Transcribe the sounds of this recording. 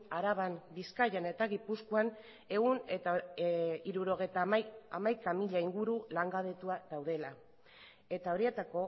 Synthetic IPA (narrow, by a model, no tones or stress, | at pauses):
aɾaβambiskajane̞t̪aɣipuskuan | e̞ɣunet̪a | iɾuɾo̞ɣ̞e̞jt̪aamajkamiʎaiŋɡuɾulaŋɡaðe̞t̪uaðawðe̞la | e̞t̪ao̞ɾie̞t̪ako̞